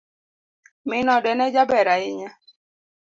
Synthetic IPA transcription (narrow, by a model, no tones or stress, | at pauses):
mɪnɔdɛnɛd͡ʒabɛɾaɪɲa